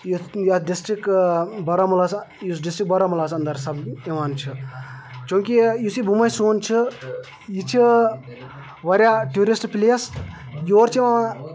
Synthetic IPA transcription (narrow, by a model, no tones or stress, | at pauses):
jujaɖisʈɾikbɐɾɐmulas | jusɖisʈɾik̚bɐɾɐmulaːsɐnd̪ɐɾsɐbiʋaːnt͡ʃʰi | t͡ʃõːŋkʲijusibʱumɐjsoːnt͡ʃʰi | jit͡ʃʰi | ʋɐɾʲaʈjuːɾisʈpleːsjoːɾt͡ʃʰiʋã